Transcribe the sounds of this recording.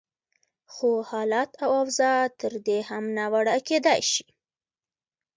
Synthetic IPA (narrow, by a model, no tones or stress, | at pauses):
xohɑlɑt̪awawzɑt̪əɾd̪ehamnawaɽaked̪ajʃi̥